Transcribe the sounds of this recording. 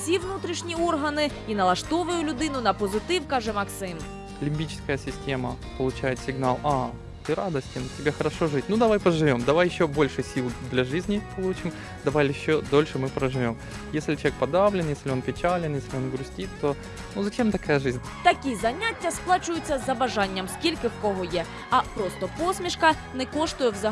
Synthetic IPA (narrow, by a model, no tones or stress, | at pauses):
sʲiʋnut̪ɾʲiʂnʲiɔrɦɐnɪinɐlˠɐʂt̪ɔʋʊjʊlʲʊd̪ɪnʊnɐpɔzɪt̪ɪwkɑʒɛmɐksɪm | lʲɪmʲbʲit͡ɕɪ̥skəjəsʲɪsʲtʲe̞mə | pəlˠʊt͡ɕæjɪt̪sʲɪɡnalˠa | t̪ɨɾad̪əsʲtʲɪntʲɪbʲaxɐɾɐʂoʐɨtʲnud̪ɐvajpɾəʐɨvʲo̞md̪ɐʋajɪɕːobo̞lʲʂɨsʲilˠd̪lʲɐʐɨzʲnʲɪpɐlˠut͡ɕɪm | d̪ɐvajɪɕːod̪o̞lʲʂɨmɨpɾəʐɨvʲo̞m | jesʲlʲɪt͡ɕʲek̚pɐd̪avlʲɪnjesʲlʲɪo̞npʲɪt͡ɕalʲɪnjesʲlʲɪo̞nɡɾʊsʲtʲit̪t̪o | nuzɐt͡ɕemt̪ɐkajəʐɨzʲnʲ | t̪ɐkʲizɐnʲatʲːɐsplˠɑt͡ʃʊjʊt͡sʲːɐzɐbɐʐanʲːɐmskʲilʲkɪwkɔɦɔjɛ | ɐpɾɔst̪ɔpɔsʲmʲiʂkɐ | nɛkɔʂt̪ʊjɛwzɐ